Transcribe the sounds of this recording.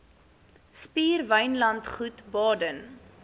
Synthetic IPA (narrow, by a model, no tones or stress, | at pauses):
spiːrvəjnlɐntχutbɑːdən